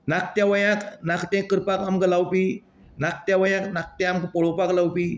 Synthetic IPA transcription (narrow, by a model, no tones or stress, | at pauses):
nak̚t̪jãʋəjãknakt̪ẽkəɾpakamkəlawpi | nak̚t̪jaʋəjãknak̚t̪ãamkpɔɭopaklawpi